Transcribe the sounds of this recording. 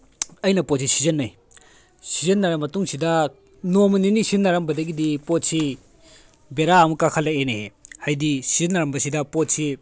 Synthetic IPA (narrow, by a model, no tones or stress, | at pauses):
ɐjnɐpot̚sisizɐnːɐj | sizɐnːɐɾɐmːɐtuŋsidɐ | nomɐninisinːaɾɐmbɐdɐɡidipot̚si | beɾaɐmukakʰalːaeneehajdisizɐnːaɾɐmbɐsidɐpot̚si